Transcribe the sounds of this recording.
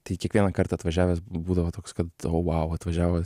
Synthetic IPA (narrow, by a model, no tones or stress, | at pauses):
t̪ɐɪkʲiɛkʋʲiɛnɐkɐɾt̪ɐːɐt̪ʋɐʒʲæːʋʲesbuːd̪ɐʋoːt̪oːkskɐt̪oʊwaʊɐt̪ʋɐʒʲæːʋoː